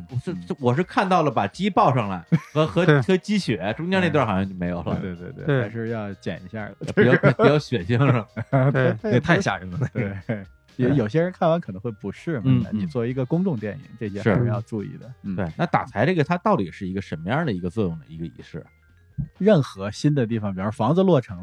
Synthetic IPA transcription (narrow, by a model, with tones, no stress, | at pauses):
ʂ̩˥˧˩wɔ˨˩ʂ̬ɻ̩˥˧kʰa˥˧nt̪ɑ˥˩ʊlə˩pa˨˩t͡ɕi˥pɑ˥˧ʊʂɑ˥˧˩ŋla̰˧˩ɪxɤ˧˥xɤ˧˥xɤ˧˥t͡ɕi˥ɕɥɛ˨˩˥ʈ͡ʂʊ˥ŋt͡ɕjɛ˥ne˥˧t̪wxɑ˨˩jɑ˥˧t͡ɕjme˧˥ɪjo˨˩ʊlə̰˧we˥˧t̪we˥˧t̪wḛ˥˧˩a˧˥ɪʂɻ̩˥˧jɑ˥˧ʊt͡ɕjɛ̰˨˩nḭ˧˥ɕja̰˥˩˥pɑ˥˧˥jɑ˥˩ʊɕɥɛ˨˩ɕi˥ŋʂ̩˥˩˥ | t̪ʰa˥˩ɪɕja̰˨˩ɻə˧˥ŋə˧˩˥e˥˩ | ɛ˧˥jo˨˩ʊɕ̬jɛ˥ɻə˧˥nkʰa˥˩nwa˧˥nkʰɤ˨˩nɤ˧˥ŋxwe˥˩pu˧˥ʂɻ̩˥˩mn̩˥˧ni˨˩t͡swɔ˥˩˧i˧˥ɡə˧kʊ˥ŋʈ͡ʂʊ˥˧ŋt̪jɛ˥˩nḭ˨˩˦ŋʈ͡ʂɤ˥˩ɕ̬jɛ˥ʂɻ̩˥˩˥e˧˥jɑ˥˧ʊʈ͡ʂu˥˧ḭ˥˩d̪ə˩t̪we˥˩ɪna˥˩t̪a̰˨˩t͡sʰa˧˥ɪʈ͡ʂe˥˩ɡə˨˩t̪ʰa˥t̪ɑ˥˩ʊt̪i˨˩ʂɻ̩˥˩i˧˥ɡə˧ʂə˧˥nmə˧jɑ˥˩d̪ə˩i˧˥ɡə˧t͡swɔ˥˧jʊ˥˩ŋd̪ə̰˩i˧˥ɡə˧ḭ˧˥ʂɻ̩˥˩ | ɻə˥˩nxɤ˧˥ɕi˥nd̪ə˨t̪̬i˥˩fɑ˨ŋpi˨˩ɻ̩˥˩fɑ˧˥ŋd͡zɹ̩˧lwɔ˥˩ʈ͡ʂʰɤ˧˥ŋ